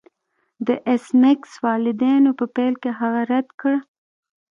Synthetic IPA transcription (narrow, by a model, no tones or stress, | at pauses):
d̪əʔesmekswɑlɪd̪enopəpalkeɦaɣaɾad̪kəɽ